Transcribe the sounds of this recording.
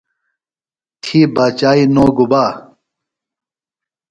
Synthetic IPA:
t̪ʰiːbaːt͡ɕaːinoːɡubaː

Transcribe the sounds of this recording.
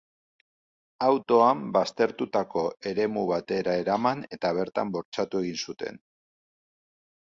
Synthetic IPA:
awt̪o̞ambast̪e̞ɾt̪ut̪ako̞e̞ɾe̞muβ̞at̪e̞ɾae̞ɾamane̞t̪aβ̞e̞ɾt̪a̰mbo̞ɾt͡ʃat̪ue̞ɣ̞insut̪e̞̰n

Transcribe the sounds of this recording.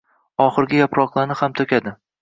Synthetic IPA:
ɒχɨɾɡʲajapɾɒqlˠaɾnɪhamt̪ʰɵkʲʰad̪ɪ

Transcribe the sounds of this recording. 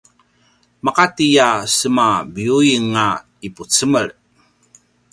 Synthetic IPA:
makatijasəmabiuiŋa | iput͡səməɭ

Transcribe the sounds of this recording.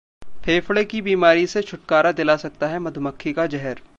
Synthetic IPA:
fʰeːfɽekibiːmaːɾiset͡ʃʰʊʈ̚kaːɾad̪ɪlasɐk̚t̪aɦɛmɐd̪ʱməkʰːikad͡ʒɛɦɛɾ

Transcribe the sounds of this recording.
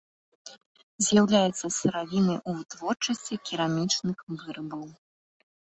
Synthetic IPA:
zʲjawlʲajɛt̪sːɐsɨɾavʲinɨʔut̪vɔrt͡ʂɐsʲt͡sʲikʲiɾamʲit͡ʂnɨxvɨɾɨbɐw

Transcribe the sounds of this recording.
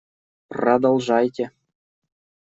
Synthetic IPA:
prɑd̪ŏlˠʐɑjtʲɘ̆

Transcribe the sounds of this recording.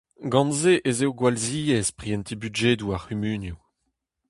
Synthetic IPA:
ɡɑ̃nzeʔezewɡwalziːɛspχiɛnt̪ʰibyʒeːd̪uaʁymyːnju

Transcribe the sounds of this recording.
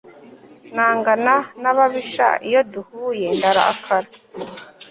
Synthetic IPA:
naːŋɡananaβaβiʃa̰ijoduhuːjendaɾa̰a̰kʰaɾa

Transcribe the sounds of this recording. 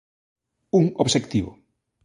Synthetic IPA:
uŋoβʃekt̪iβʊ̰

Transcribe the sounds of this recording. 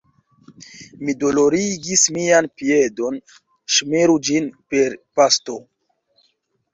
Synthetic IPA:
mido̞lo̞ɾiɡismianpie̞do̞n | ʃmeɾud͡ʒinpe̞ɾpasto̞

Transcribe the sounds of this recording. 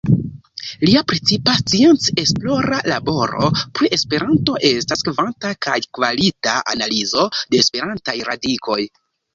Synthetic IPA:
liapɾet͡sipast͡sie̞nt͡se̞splo̞ɾalabo̞ɾo̰pɾiʔe̞spe̞ɾanto̞ʔe̞staskvantakajkvalitaʔa̰nalizo̞de̞ːspe̞ɾantajɾa̰dikʰo̞j

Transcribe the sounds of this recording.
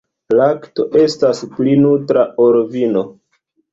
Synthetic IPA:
lakto̞ʔe̞stasplinultɾaʔoɾvino̞

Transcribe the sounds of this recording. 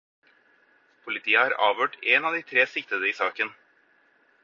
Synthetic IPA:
pʰʊlɪt̪ʰiːəhɑːɾɑːʋøːʈeːnɑːʋd̪iːt̪ʰɾeːsɪk̚t̪əd̪əiːsɑːkən

